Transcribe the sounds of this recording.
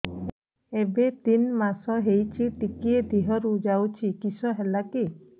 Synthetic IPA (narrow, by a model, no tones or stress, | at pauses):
ebet̪inmasɔɦejt͡ʃʰiʈikied̪ʱiɦɔɾud͡ʒawt͡ʃʰikisɔɦelaki